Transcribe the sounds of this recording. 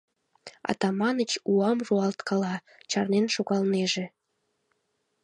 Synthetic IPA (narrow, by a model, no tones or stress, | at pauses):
ɑ̰t̪ɑmɑnət͡ɕuɑmʒuɑlt̪kɑlɑ | t͡ɕɑrnenʃoɣɑlneʒe